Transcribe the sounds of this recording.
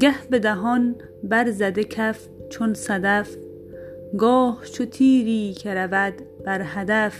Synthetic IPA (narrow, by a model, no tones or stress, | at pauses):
ɡæhbed̪æɦɒn | bæɾzæd̪ekʰæf | t͡ʃʰonsæd̪æf | ɡɒːht͡ʃʰot̪ʰiːɾiːkʰeɾævæd̪b̥æɾɦæd̪æf